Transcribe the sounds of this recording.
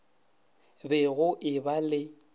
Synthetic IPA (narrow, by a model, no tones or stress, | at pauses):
bɛɣʊʔɪbalɪ